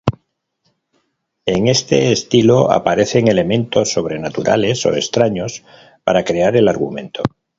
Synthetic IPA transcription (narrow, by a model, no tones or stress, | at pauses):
e̞ŋe̞st̪e̞ːst̪iloa̰paɾe̞θe̞ŋe̞le̞mẽ̞nt̪o̞sːo̞β̞ɾe̞nat̪uɾa̰le̞so̞̰est̪ɾaɲo̞s | pa̰ɾakɾe̞aɾe̞laɾɣumẽ̞nt̪o̞